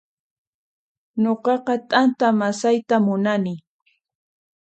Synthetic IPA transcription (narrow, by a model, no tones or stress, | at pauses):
noqɑqɑt̪ʼant̪amasajt̪amʊnanɪ